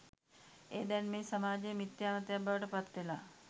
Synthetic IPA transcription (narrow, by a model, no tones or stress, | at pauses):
eːd̪ɛnmeːsamaːd͡ʒejmit̪jaːmət̪jabːaʋəʈəpat̪ːʋelaː